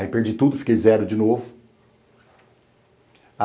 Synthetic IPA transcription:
ɪpeɾd͡ʒit̪ud̪ʊfi̥kejzɛɾʊd͡ʒɪnovʊ | a

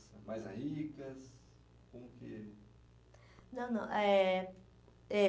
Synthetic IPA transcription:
sɐ̃majzhikɐs | komʊkɪ | nɐ̃w̃nɐ̃ʔɛ | ɛ

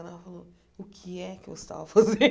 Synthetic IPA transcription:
ɐnafalo | ʊkʰɪɛkɪeɪst̪a̰vɐfaze

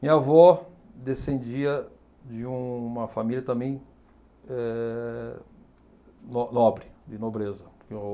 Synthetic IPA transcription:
mĩɲavɔd̪esẽnd͡ʒiɐ | d͡ʒɪũmɐfamiljɐt̪ɐ̃mẽj̃ | ɛ | nɔnɔbɾɪd͡ʒɪnobɾezɐpoɾke

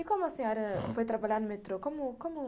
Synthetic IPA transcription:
ikõmʊɐsĩɔɾɐfojt̪ɾɐbaʎaɾnʊmet̪ɾokomʊkõmʊ

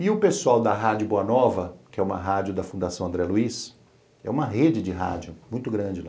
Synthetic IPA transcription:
ɪʊpesuawd̪ɐɦad͡ʒʊboɐnɔvɐkɪɛũmɐ̰ɦad͡ʒjʊd̪ɐfũnd̪asɐ̃w̃ɐ̃nd̪ɾɛluis | ɛ̰ũmɐɦed͡ʒɪd͡ʒɪɦa̰d͡ʒʊmũj̃t̪ʊɡɾɐ̃d͡ʒɪla

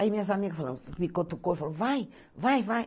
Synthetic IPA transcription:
aimĩɐzamiɣɐfaɐlˠɐ̰̃nfikot̪ukojfalɐ̃vaj | vajvaj

